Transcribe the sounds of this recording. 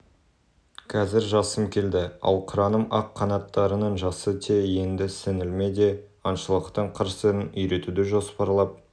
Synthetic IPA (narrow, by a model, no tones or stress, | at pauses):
kʰɑzɪɾʒɑsəmkʲʰe̞ld̪ɪɑ̰lˠqʰʊɾɑnəmɑqʰːɑnɑt̪ːɑɾənəɴʒɑsət̪ʲʰejje̞nd̪ɪsɪnɪlme̞d̪e̞ | ɑnʃəlˠəqt̪əɴqʰəɾsəɾɪnʏjɾe̞t̪ud̪ɪʒo̞spɑɾlˠɑp̚